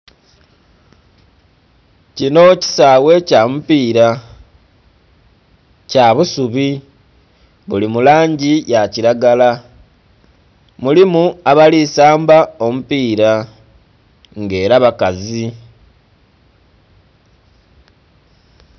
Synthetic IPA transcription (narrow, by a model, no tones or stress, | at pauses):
cino̞ci̥sawe̞camupiːɾa | caβusuβi | βulimulaːɲɟijaciɾaɡala | mulimuaβalisaːmbao̞mupiːɾa | ŋɡe̞ːɾaβakazi